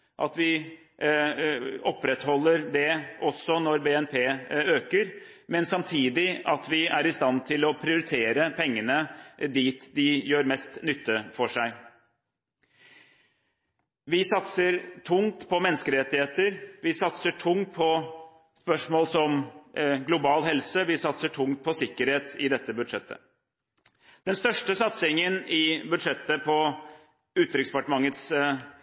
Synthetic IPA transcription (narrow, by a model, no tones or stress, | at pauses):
ʔɑt̪ʋɪ | ɔpːɾɛt̪hɔlːəɾd̪ɛɔsːɔnɔɾbeːɛnpʰeːøːkəɾ | mɛnsɑmt̪ʰiːd̪ɪɑt̪ʋɪʔæɾɪst̪ɑnt̪ʰɪlɔpʰɾɪʊɾɪt̪ʰeːɾəpʰɛŋːənəd̪iːt̪d̪ɪjøːɾmɛst̪nʏt̪ːəfɔʂæɪ | ʋɪsɑt̪səɾʈʰʊŋt̪pʰɔmɛnːəskəɾɾɛt̪ɪheːt̪əɾʋɪsɑt̪səʈʰʊŋt̪̚pʰɔ | spœʂmoːlsɔmɡlʊbɑːlɦɛlsəʋɪsɑt̪səʈʰʊŋt̪̚pʰɔsɪkːəɾheːt̪ɪd̪ɛt̪ːəbʉd̪ʂɛt̪ːə̰ | d̪̥ɛnst̪œʂʈəsɑt̪sɪŋənɪbʉd̪ʂɛt̪ːəpʰɔ | ʉːt̪ɾɪkspɑʈəmɑŋət̪s